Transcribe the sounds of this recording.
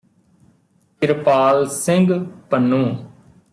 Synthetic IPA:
kɪɾpaːlsɪŋɡpənːũː

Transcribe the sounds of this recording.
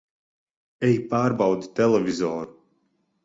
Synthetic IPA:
ɛjpaːɾbawd̪i̥t̪ɛlˠɛvʲizɔːɾu

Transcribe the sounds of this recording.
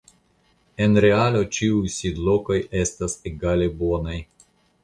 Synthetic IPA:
e̞nɾe̞alo̞t͡ʃiujsid̪lo̞ko̞je̞staseɡale̞bo̞naj

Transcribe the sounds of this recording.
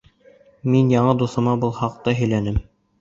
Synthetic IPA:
minjɑɴɤd̪uθɤ̆mɑbulˠhɑq̚t̪ɤɦɵ̆jlænɘm

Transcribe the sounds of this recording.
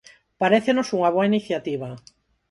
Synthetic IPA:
paɾeθenosuŋaβ̞oainiθjat̪iβ̞a

